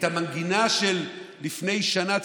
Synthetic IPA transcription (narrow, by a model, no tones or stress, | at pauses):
thamanɡinaʃelː | ifne̞jʃana